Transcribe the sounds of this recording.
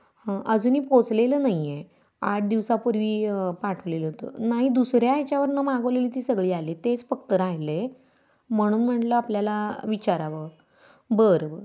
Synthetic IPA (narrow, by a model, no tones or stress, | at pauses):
ʔəd͡zuːniːpot͡sleləːnaɦie | aʈ̚ʰd̪iʋsapuɾʋiːpaʈʰʋleləɦot̪ə̰naɦid̪usɾjat͡ɕaʋəɾnəmaɡəʋleliːt̪iːsəɡɭiːalet̪et͡sfəkt̪əɾajle | m̤əɽ̃uːnm̤əʈləapljalaʋit͡ɕaɾaʋəɾ | bəɾə